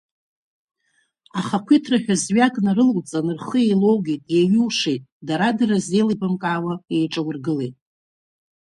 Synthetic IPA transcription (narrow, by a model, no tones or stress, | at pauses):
aχakʷʰitʰraħᶣazɥakʼnarɨlwt͡sʼanɨrχəejlo̞wɡʲitʼjaɥɨwʂejtʼdaɾadarazejlibɨmkʼaːwaejʈ͡ʂʼawʊrɡɨlejtʼ